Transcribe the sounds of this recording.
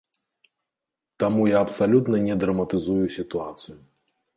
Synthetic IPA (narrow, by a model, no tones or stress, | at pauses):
t̪amujaɐpsalʲut̪nɐnʲɛd̪ɾɐmɐt̪ɨzujusʲit̪uat̪sɨju